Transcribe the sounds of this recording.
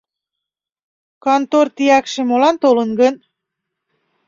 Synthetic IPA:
kɑnt̪ort̪ijækʃemolɑnt̪olənɡən

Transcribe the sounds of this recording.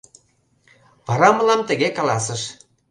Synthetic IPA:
βɑɾɑmə̆lɑmt̪ə̆ɣekɑlɑs̬ə̆ʃ

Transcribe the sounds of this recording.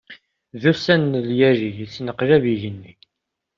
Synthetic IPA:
ðusænːljæɾiʝisnəqɾæviʝənːi

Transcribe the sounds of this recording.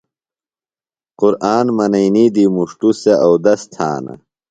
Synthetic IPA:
qʊɾʔaːnmɐnɐjnid̪imuʂʈuseʔɐwd̪ɐst̪ʰa̰ːnɐ̰

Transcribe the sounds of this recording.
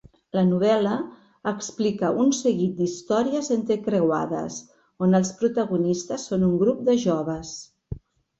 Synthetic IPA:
lənuβ̞ɛləː | ksplikəʔunsəɣit̪̚d̪ist̪ɔɾiəzent̪əkɾewa̰ðə̰s | onəlˠspɾut̪əɣunist̪əsːonuŋɡɾup̚d̪əʒɔβ̞əs

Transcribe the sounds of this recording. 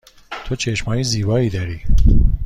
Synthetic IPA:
t̪ʰot͡ʃʰeʃmɒːjiziːbɒːiːd̪ɒɾiː

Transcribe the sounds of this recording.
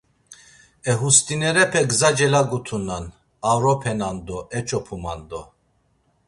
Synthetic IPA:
ɛɦust̪ʼinɛɾɛpʰɛɡzad͡ʒɛlaɡut̪ʰunan | avɾɔpʰɛnand̪ɔʔɛt͡ʃʼɔpʰuma̰nd̪ɔ

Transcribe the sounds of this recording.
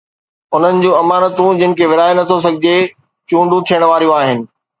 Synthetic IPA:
ʊn̤ənɪ̆d͡ʑũːɐmaːnət̪ũd͡ʑɪnɪ̆kʰeːʋɪɾaːenɐt̪ʰos̬ɐɡʱɪd͡ʑe | t͡ɕũːɳɖʱũt̪ʰijəɽ̃ʋaːɾijũaːɦɪnɪ̆

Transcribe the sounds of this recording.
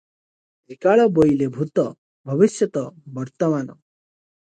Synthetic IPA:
ɾikaɭɔbojlebʱut̪ɔ | bʱʌʋisjʌt̪ɔbʌɾt̪ɔmaːnɔ̰

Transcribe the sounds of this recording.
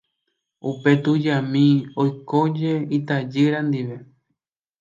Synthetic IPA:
upe̞t̪ud͡ʒamĩojkod͡ʒe̞it̪ad͡ʒɨɾãnd̪iʋe̞

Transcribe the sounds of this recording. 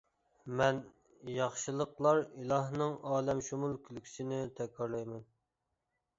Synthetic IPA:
mɛn | jɑχʃɨlˠəqlˠɑɾilˠɑhnɨŋɑːlɛmʃumulˠkʲʰylkʲʰy̥sɪnɪt̪ʰɛkʲʰːɑɾlˠɑjmɛn

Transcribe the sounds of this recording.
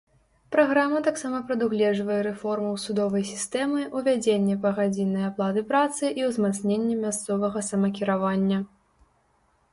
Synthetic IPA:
pɾaɣɾamɐt̪aksamɐpɾɐd̪uɣlʲɛʐvɐjɛɾɛfɔrmɐwsud̪ɔvɐjsʲi̥st̪ɛmɨʔuvʲad͡zʲenʲːɛpɐɣad͡zʲinːɐjaplˠad̪ɨpɾat̪sɨʔiwzmat̪snʲenʲːɛmʲast̪sɔvɐɣɐsɐmɐkʲiɾavanʲːɐ

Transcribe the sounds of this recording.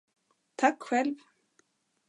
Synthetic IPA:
t̪ʰakɧɛlv

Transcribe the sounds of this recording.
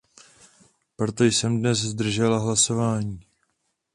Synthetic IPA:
pɾo̞t̪o̞jsɛmdnɛszd̪r̩ʒɛlaɦlaso̞vaːɲiː

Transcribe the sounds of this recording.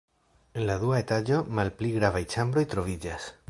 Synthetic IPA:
e̞nladuaetad͡ʒo̞malpliɡɾavajt͡ʃambɾo̞jt̪ɾo̞vid͡ʒas

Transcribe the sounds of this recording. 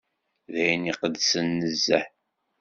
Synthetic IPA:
ðæjniqəðsənːəzːæħ

